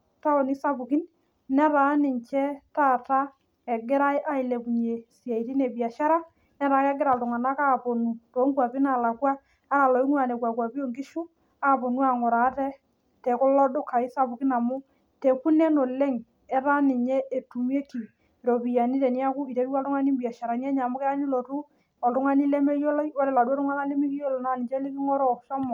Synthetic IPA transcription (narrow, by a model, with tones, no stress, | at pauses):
ta˦o˨ni˦sa˦bu˨ki˦n | nɛ˦ɾa˨˦nɪ˨ɲt͡ʃɛ˦taː˦˨ta˦ | ɛ˨ɡɪ˦ɾa˦i˦ʔa˦ɪ˨le˨ku˨ɲe˨si˨a˨i˨ti˦ne˨bi˨a˨ʃa˦ɾa˦ | nɛ˦ɾa˨˦kɛ˦ɡɪ˦ɾa˨ltʊ˨ŋa˨na˦ka˦po˨nu˨to˨˦ŋkwa˨pɪ˦na˨la˨kwa˦ | a˦ɾa˨lɔ˨i˦ŋwa˨ne˨kwa˨kwa˨pi˦o˦˨ŋɡɪ˦ʃu˦ | a˦po˨nu˦a˨ŋʊ˨ɾa˨˦tɛ˦ | tɛ˨kʊ˦lɔ˦dʊ˦ka˨ɪ˦sa˦pʊ˨kɪ˦na˨mʊ˦ | te˨ku˦nɛ˦no˨lɛ˦ŋ | ɛ˦ɾa˦nɪ˨ɲɛ˦e˨tu˨mi˦e˦ki˨ | ɾo˨pi˨ja˨ni˦tɛ˨ni˦a˦kʊ˦i˨e˨˦ɾu˦a˦ltʊ˦ŋa˦ni˦mbi˨a˨ʃa˨ɾa˨n˦ɛ˦ɲa˨mʊ˦kɛ˦a˦ɲi˦lo˨ɾu˦ | ɔ˨ltʊ˦ŋa˦ni˦lɛ˦me˦jɔ˦lɔ˦jwɔ˦lɛ˨la˨du˦ɔ˦tʊ˦ŋa˦na˦le˦mi˦ki˦jɔ˦lɔ˨na˨nɪ˨t͡ʃɛ˦lɪ˦kɪ˦ŋɔ˦ɾɔ˦ʃɔ˦mɔ˨